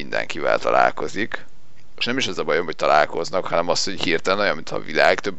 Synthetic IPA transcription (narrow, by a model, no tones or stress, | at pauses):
ind̪ɛ̰ŋkivɛ̰lt̪ɒ̰la̰ːlko̞zik | eʃnɛmiʃɛzɒbɒjomɦoc̚t̪ɒlaːlko̞znɒkhɒnɛmɒst̪ho̞ɟhiːrt̪ɛlɛnojɒmint̪ʰɒ̰vilaːɡt̪øbː